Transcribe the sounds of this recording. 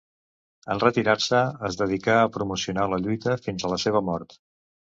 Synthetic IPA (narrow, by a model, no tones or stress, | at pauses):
ənrət̪iɾaɾsəəzðəðikaəpɾumusiunaləʎujt̪əfinzələseβ̞əmɔɾt̪